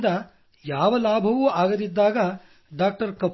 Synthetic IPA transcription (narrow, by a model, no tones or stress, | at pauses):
d̪ɐ | jaːʋɐlaːbʱɐʋuaːɡɐd̪id̪ːaːɡɐ | ɖaːk̚ʈɐɾkɐp